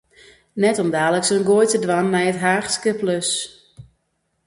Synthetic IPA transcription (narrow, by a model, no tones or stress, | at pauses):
nɛtɔmdaːləksənɡoəjtədʋanːɛjətɦaːxskəpløs